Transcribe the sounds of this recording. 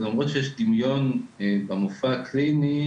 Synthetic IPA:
lamʁot̪ʃejɛʃd̪imjo̞nbamufaklini

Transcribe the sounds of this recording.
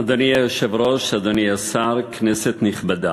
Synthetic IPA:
ad̪oniajoʃevɾoʃad̪oniasaɾkneset̪niχbad̪a

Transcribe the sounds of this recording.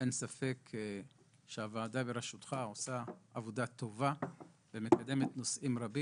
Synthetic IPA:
ensafe̞k | ʃeavaːdabeɾeʃut̪χao̞saavod̪at̪o̞vavemekad̪e̞me̞t̪no̞sʔimɾabi

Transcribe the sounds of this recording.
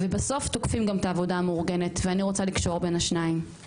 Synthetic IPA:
vebaso̞ft̪okfimɡamt̪aːvo̞daːmuʁɡe̞ne̞t̪veaniʁo̞t͡salikʃo̞ʁbe̞naʃnaim

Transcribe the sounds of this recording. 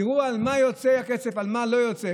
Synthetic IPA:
ʁualmajo̞t͡seakesefalmalo̞jot͡se

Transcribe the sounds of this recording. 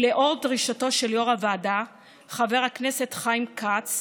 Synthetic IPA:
leʔo̞ʁdʁiʃato̞ʃe̞ljoʁavada | χave̞ʁhakne̞se̞tχajmkʰat͡s

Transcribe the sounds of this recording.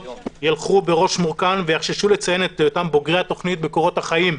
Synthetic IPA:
jalχube̞ʁo̞ʃmuʁkanvejaχʃiʃulet͡sajenet̪jot̪ambo̞ɡʁeat̪o̞χnit̪̚beko̞ʁo̞t̪haχajim

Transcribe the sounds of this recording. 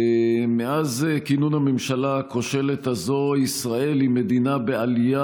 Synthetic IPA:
meʔazkinunhamemʃalakoʃe̞let̪hazo̞isʁae̞limed̪inabealija

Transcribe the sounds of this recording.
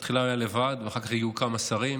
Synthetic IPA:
t̪χilaajalevad̪veaχakaχjijukamasaʁim

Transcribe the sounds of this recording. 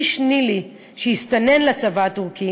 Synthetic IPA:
ʃnili | ʃejist̪ane̞nlet͡savaːt̪uʁki

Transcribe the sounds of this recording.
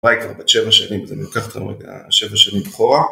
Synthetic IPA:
ʁajkvaʁbatʃevaʃanimzemilkaχt̪a̰ḛa̰ʃevaʃanimbaχoʁa

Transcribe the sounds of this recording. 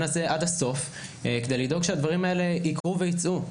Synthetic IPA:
naseʔadhaso̞f | kede̞jlido̞ɡʃead̪vaʁimae̞le̞ikʁuve̞jit͡sʔu

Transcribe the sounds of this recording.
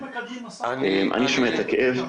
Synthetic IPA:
emʔa̰niʃomeet̪akeʔev

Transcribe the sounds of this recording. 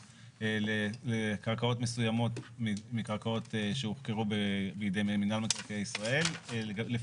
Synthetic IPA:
elelekaʁkao̞tmesujamo̞tmimikaʁkao̞teʃeuχkeʁubebijdejmeminalmaklakeaisʁae̞lle

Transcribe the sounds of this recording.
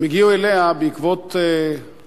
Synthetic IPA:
miɡiueleabeikvot̪e

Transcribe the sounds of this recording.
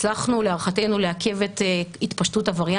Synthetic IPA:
t͡slaχnuleaʁχate̞jnuleake̞vetitpaʃtutavaʁja

